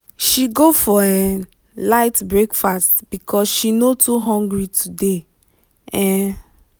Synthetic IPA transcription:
ʃiɡofɔɛ̃ | laɪtbɹekfastb̥ikʰɔsʃinotuɦɔ̃ŋɡɹitʰude | ɛ̃

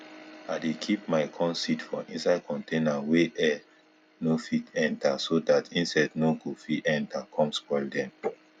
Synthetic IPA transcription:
aɪdekʰip̚maɪkʰɔ̃nsitfɔ̃ʔĩnsaɪd̚kʰɔ̃ntenaweʔɛ | nofitɛ̃ntasodatʰĩnsadnoɡofiɛ̃ntakʰɔ̃mskɔɪldɛ̃m

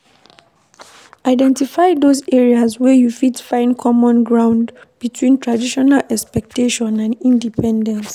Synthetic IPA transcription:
ʔaɪdɛ̃ntifaɪdozɛɹiazwɛjufidfãɪ̃nkʰɔmɔ̃nɡɹãʊ̃ndb̥itʰwĩntʰɹadiʃɔnalɛkspɛk̚teʃɔ̃nãnĩndipʰɛ̃ndɛ̃ns

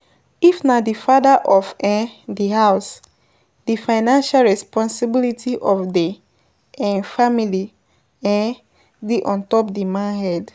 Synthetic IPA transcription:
ifnadifadaʔɔfɛ̃dihaʊs | difaɪnãnʃalɹɛspɔ̃nsibilitiʔɔfdi | ʔɛ̃nfamili | ɛ̃ | diʔɔ̃ntɔp̚dimãnɦɛd

